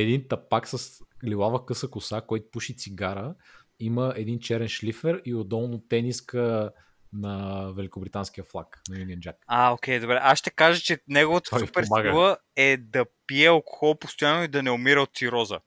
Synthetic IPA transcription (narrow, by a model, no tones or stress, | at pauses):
ɛd̪int̪ɐpaksɐslilˠavəkɤsəkʊsakɔjt̪ʊ̥puʃit̪siɡaɾə | iməʔɛd̪int͡ʃɛɾɛnʃlifɛɾiod̪ɔlˠnot̪ɛniskə | nɐvɛlikʊbɾit̪ansk̟ijəflˠaknɐjuniənd͡ʒakaokʲɛjd̪obɾɛʔasʃt̪ɛkaʒət͡ʃɛnɛɡʊvot̪ə̥pɛɾɡvˠəɛd̪ɐpiɛɐlˠkʊ̥xɔlˠpost̪ojanːoid̪ɐnɛʊmiɾəot̪siɾɔzə̰